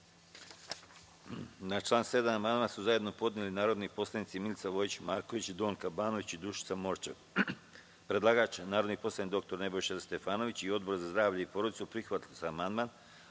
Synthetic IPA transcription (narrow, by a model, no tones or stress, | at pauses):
nat͡ʃlˠaːnse̞d̪amamand̪mansuzajed̪no̞po̞d̪nelinaːɾo̞d̪nipo̞slˠanit̪similʲt̪saʋo̞jit͡ɕmaːɾko̞ʋit͡ɕd̪o̞ːnkabaːno̞ʋit͡ɕid̪ɾuʃi̥t̪samo̞ɾt͡ʃe | pɾedlaːɡaːt͡ʃnaːɾo̞d̪nipo̞slˠanikd̪o̞kt̪o̞ɾne̞bo̞jʃest̪e̞faːno̞ʋit͡ɕio̞d̪̚bo̞ɾzazd̪ɾaːʋʎaipo̞ɾod̪it̪supɾixʋat̪lʲuzaːmand̪man